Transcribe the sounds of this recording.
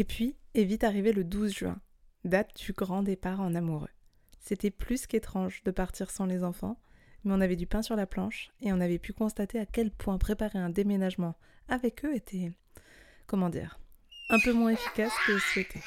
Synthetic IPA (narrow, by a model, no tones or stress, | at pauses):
epɥievit̪aʁiveləd̪uzʒɥɛ̰̃ | d̪at̪̚d̪̥yɡʁɑ̃d̪epaʁɑ̃namuʁø̰ | set̪ɛplysket̪χɑ̃ʒd̪əpaʁt̪ʰiʁsɑ̃lezɑ̃fɑ̰̃mɛɔ̃navɛd̪ypɛ̃syʁlaplɑ̃ʃeɔ̃navɛpykɔ̃st̪at̪eakʲɛlpwɛ̃pχepaʁeɛ̃d̪emenaʒmɑ̃ | avɛkøet̪ʰɛ | kɔmɑ̃d̪ḭːʁɛ̃pømwɛ̃efi̥kaskəsiet̪ʰɛ